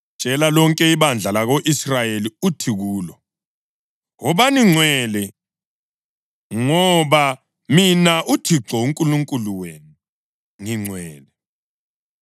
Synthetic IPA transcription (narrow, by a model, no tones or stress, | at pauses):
t͡ʃʼɛlalɔŋkʼɛiβand͡ɮʱalaɣoʔisrajeliutʰiɣuːlɔ | ɣɔβaniŋ͡ǀʱwɛlɛ | ŋɔβa | minaʔutʰiǁʱɔuŋkʼuluŋkʼuluwenu | ŋiŋ͡ǀʱwɛːlɛ